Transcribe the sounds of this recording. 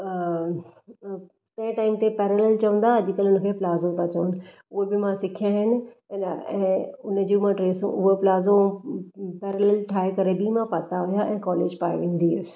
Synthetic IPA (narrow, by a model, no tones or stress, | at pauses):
t̪ɐ̃ɪ̃ʈaːɪmt̪epɛːɾelɛlt͡ɕɐʋə̃nd̪ad͡ʑɪkəlʊnəkʰeplaːzõt̪ʰat͡ɕɐʋnɪ̆ | ʊɦebɪmãsɪkʰijãɦɪnɪ̆ | ɛ̃ːʊnə̆d͡ʑũmãɖɾeːsṵ̃ʔʊɦoplaːzõ | pɛːɾəlɛlʈʰaːɦekɐɾebimãpɐt̪aɦʊjaʔɛ̃ːkɔːlḛːd͡ʑpaːeʋẽːn̆d̪iəs